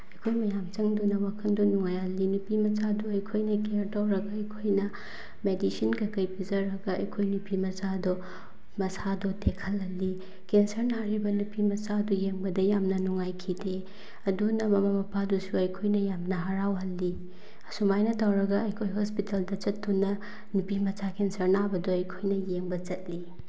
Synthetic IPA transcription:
ɐjkʰojmɐjamt͡ʃɐŋdunɐwakʰɐndɔnuŋajhɐlːinupimɐsaduɐjkʰojnɐkeɾtawɾɐɡɐɐjkʰojnɐ | medisinɡɐkɐjpizɐɾɐɡɐɐjkʰojnupʰimɐsado | mɐsadotʰekʰɐlɦɐlːi | kensɐɾnaɾibɐnupimɐsadɔjeŋbɐdɐjamnɐnuŋajkʰide | ɐdunɐmɐmɐmɐpʰadusuɐjkʰojnɐjamnɐɦɐɾawɦɐlːi | sumajnɐtawɾɐɡɐɐjkʰojɦospitaldɐt͡ʃɐtːunɐ | nupimɐsakensɐɾnabɐdoɐjkʰojnɐjeŋbɐt͡ʃɐt̚li

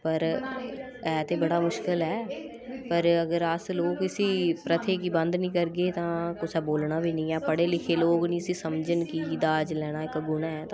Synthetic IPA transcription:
pəɾ | ɛːt̪ẽːbəɽaːmʊʃkɪlɦɛː | pəɾəɡəɾəsloːkɪsiːpɾət̪ʰeːkiːbənd̪nĩːkəɾɡeːt̪ãːkʊsɛːboːlnaːbʱiːnĩːaːpəɽeːlɪkʰeːloːknĩːsĩːsəmd͡ʒənkiːd̪aːd͡ʒlɛːɽ̃aːɪkɡʊnaːɛːt̪ã

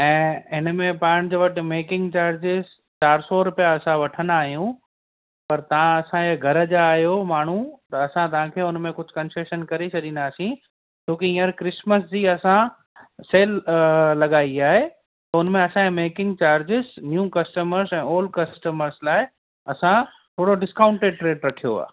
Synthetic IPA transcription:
ɛ̃ːɦɪnmẽpaːɽ̃d͡ʑoʋɐʈɪ̆meːkɪ̃ŋɡt͡ɕaːɾd͡ʑɪz | t͡ɕaːɾsɔɾʊpijaɐsãʋɐʈʰənd̪aːɦijũ | pɐɾt̪ɐʋãɐsãɡʱɐɾəd͡ʑaːɦjomaːɳ̤ũt̪ɐːsãt̪̬ɐʋãkʰeːʊnmẽkʊd͡ʑʱʊkɐ̃nseʃənkɐɾet͡ɕʰɐɗĩːnd̪aːsĩ | t͡ɕʰõːkiĩːəɾkɾɪsməsd͡ʑiːɐsã | seːllɐɠaːiaːɦe | t̪ɐʊnmẽɐsãemeːkɪ̃ŋɡt͡ɕaːɾd͡ʑɪznjuːkɐsʈəməɾsɛ̃ːoːlɖkɐsʈəməɾslaːɪ | ɐsã | t̪ʰoːɽoɖɪskaːʊ̃ɳʈeːɖʈɾeːɖɾɐkʰijoa̰ː

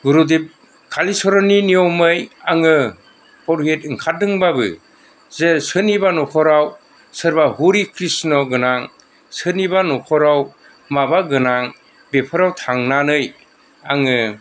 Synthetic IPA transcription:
ɡuɾudip̚ | kʰalisɔɾɔninijɔwmɯjaŋɯ | pʰɔɾɦetɯŋkʰadɯŋbabɯ̰ | zesɯnibanɔkʰɔɾaw | sɯɾbahuɾikʰɾisnɔɡɯnaŋ | sɯnibanɔkʰɔɾaw | mabaɡɯnaŋ | bepʰɯɾawtʰaŋnanɯj | aŋɯ

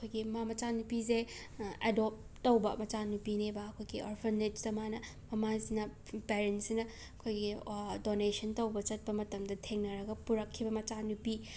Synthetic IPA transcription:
ɐkʰojɡimamɐt͡ʃanupize | ḛdop̚ | tːɐwbɐmɐt͡ʃanupinebɐːkʰojɡiʔo̰ɾpʰɐndet͡ʃtɐmanɐ | mɐmazinɐ | peɾentsinɐ | ɐkʰojɡidonesɐntɐwbɐt͡ʃɐt̚pɐmɐtɐmdɐtʰeŋnɐɾɐɡɐpuɾɐkʰːibɐmɐt͡ʃanupi

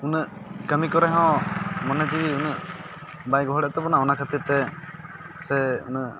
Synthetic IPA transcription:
unəʔkəmikɔɾɛɦɔ̃mɔnɛd͡ʒiunəʔ | bajɡɔɦɔɽɛʔt̪ɛbɔnaɔnakʰət̪iɾt̪ɛ | sɛṵnəʔ

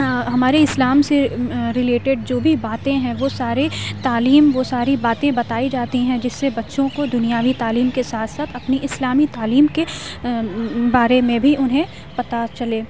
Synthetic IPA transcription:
ɦɐmaːɾeɪslaːmseɾɪleːʈɪɖ̚d͡ʒoːbʱibaːt̪ẽɦɛ̃ʋosaːɾet̪aːliːmʋosaːɾibaːt̪ẽbɐt̪aːid͡ʒaːt̪iɦɛ̃d͡ʒɪsːebɐtːʃõkod̪ʊnijaːʋit̪aːliːmkesaːt̪ʰsaːt̪ʰɐpniʔɪslaːmit̪aːliːmke | baːɾemẽbʱiʔʊnɦẽ | pɐt̪at͡ʃɐleː

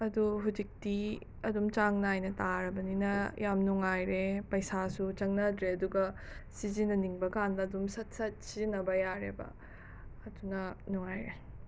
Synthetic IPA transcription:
ɐduɦud͡ʒik̚ti | ɐdumt͡ʃaŋnajnɐtaɾɐbɐninɐjamnuŋajɾepɐjsasut͡ʃɐŋnɐdɾeɐduɡɐ | sizinɐniŋbɐkandɐːdumsɐt̚sɐt̚sizinɐbɐjaɾebɐ̰ | ɐdunɐnuŋajɾe

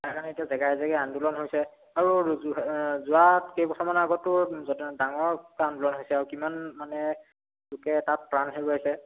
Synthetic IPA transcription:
akanietiazɛɡaɛzɛkɛandulɔnɦojsɛ | aɹu | zʊatkejpɔtʰɔmanaɡɔtːʊdaŋɔɹkandulɔnɦojsɛaɹukimanmanɛ | lʊkɛtat̚pɹanɦebɔɦojsɛ

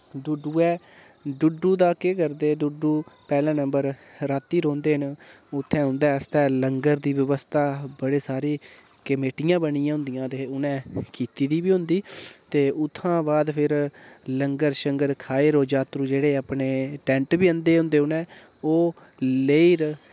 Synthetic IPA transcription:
ɖʊɖuːɛː | ɖʊɖːuːd̪aːkekəɾd̪eːɖʊɖːuːpɛːlɛ̃ːnəmbəɾɾaːt̪ːiːɾõːnd̪eːɦən | ʊt̪ʰːɛ̃ːɦʊ̃nd̪ɛːəst̪ɛːləŋɡəɾd̪iːʋəʋəst̪aːbəɽeːsaːɾiː | kəmeːʈɪjãːbənijãːɦʊ̃nd̪ɪjãːt̪eːʊnɛ̃ːkiːt̪iːd̪iːbiːɦʊ̃nd̪iːt̪eːʔʊt̪ʰːãːbaːd̪pʰɪɾləŋɡəɾʃəŋɡəɾkʰaːeːɾoːd͡ʒaːt̪ɾũːd͡ʒeːɽeːaːpɳeːʈɛ̃ːɳʈbiːənd̪eːɦʊ̃nd̪eːʊnɛ̃ː | oː | leiːɾ

